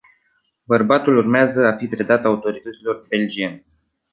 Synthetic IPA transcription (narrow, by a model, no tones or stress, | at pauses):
bərbat̪ulurmeazəafipɾe̞d̪at̪aut̪o̞ɾit̪ət̪silo̞rbe̞ld͡ʒien